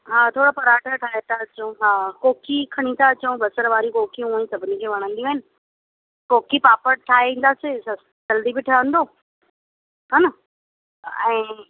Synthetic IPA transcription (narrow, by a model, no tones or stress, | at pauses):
ɦaːt̪ʰoːɽopɐɾaːʈʰəʈʰaːɦet̪ʰaɐt͡ɕõɦaːkoːkʰikʰɐɽ̃ĩt̪ʰaɐt͡ɕũbɐsəɾʋaːɾikoːkʰijũũĩsɐbʱɪnid͡ʑeʋɐɽ̃ə̃nd̪iũɦɪnɪ̆ | koːkʰipaːpəɾʈʰaːeĩːn̆d̪aːsesɐ | d͡ʑɐld̪ibɪʈʰɐə̃n̆d̪oː | ɦɐnɐ | ɛ̃ː